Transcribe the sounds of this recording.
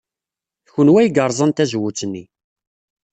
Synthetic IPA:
θçənwæjɡəɾˤzˤənt̪æzwut͡sːənːi

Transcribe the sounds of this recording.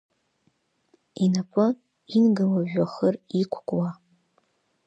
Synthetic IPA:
inapʰʷʼʊ | inɡawaʒᶣʷaχərikʷʰkʷʼwa

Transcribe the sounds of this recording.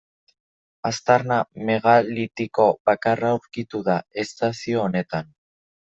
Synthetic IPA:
ast̪aɾname̞ɣalit̪iko̞βakarauɾkit̪uðae̞st̪asio̞ːne̞t̪an

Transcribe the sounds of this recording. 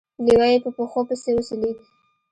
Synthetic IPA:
liwajepəpoxopəsewoseleɡ̪i

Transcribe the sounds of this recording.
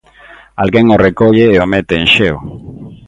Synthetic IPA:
alɣeŋorekoʎeːomet̪eːnʃew

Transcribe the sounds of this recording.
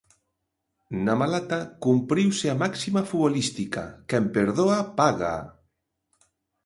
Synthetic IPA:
namalat̪akumpɾiwseamaksimafuβolist̪ika̰kempeɾðoapaɣa̰

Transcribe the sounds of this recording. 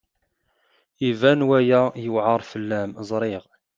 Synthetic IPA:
ivænwæjæjəwʕəɾˤfəlːæmzˤɾˤɪʁ

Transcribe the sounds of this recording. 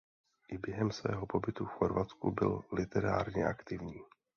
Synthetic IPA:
ʔɪbjɛɦɛmsvɛ̰ːɦo̞po̞bɪt̪ufxo̞ɾvat͡skṵbɪ̰llɪt̪ɛɾa̰ːɾɲɛʔakt̪ɪvɲiː

